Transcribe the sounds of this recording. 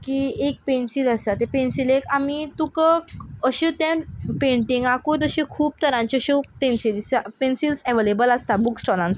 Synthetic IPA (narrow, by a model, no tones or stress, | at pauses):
kiek̚pẽnsilasat̪epensilekamit̪ukəəɕit̪ẽpẽɳʈĩŋɡakut̪̬əɕikʰuːb̚t̪əɾãɲt͡ɕəɕipẽnsilspensilsɛʋelebəlast̪abuksʈɔlãns